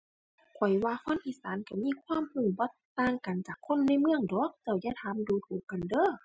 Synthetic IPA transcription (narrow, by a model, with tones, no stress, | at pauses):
kʰɔ˨˩jwaː˧kʰo˧˥˨nʔiː˧˨saː˨˦nka˧˩miː˧˥˨kʰwaː˧˥˨mhu˧˩bɔː˧˦t̪ːaː˧˨ŋka˨nt͡ɕaː˨˩kʰːo˧˥˨nːa˧˥˨jmɯ˧˨əŋdɔː˨˦k̚t̪ɛ˧˩jaː˧˨t̪ʰaː˧˦mduː˧˦t̪ʰuː˨˩kːa˨ndɤː˧˥˨